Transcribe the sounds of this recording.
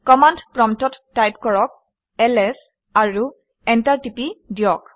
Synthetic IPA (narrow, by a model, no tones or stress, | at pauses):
kɔmandpɹɔmtɔtːajp̚kɔɹɔk̚ | ɛlɛs | aɹu | ɛntaɹtipidijɔk